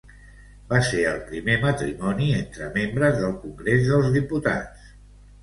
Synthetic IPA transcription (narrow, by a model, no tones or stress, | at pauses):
baseəlˠpɾimemət̪ɾimɔnient̪ɾəmembɾəzðəlˠkuŋɡɾezðəlˠzðiput̪a̰t͡s